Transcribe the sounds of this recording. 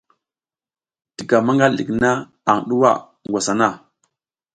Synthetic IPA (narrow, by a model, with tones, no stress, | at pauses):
d̥i˨ɡa˨ma˦ŋɡa˦llḭ˨kna˦ | a˨ŋɗu˦wa̰˦˨ | ŋɡʷa˨sa˨na˦˨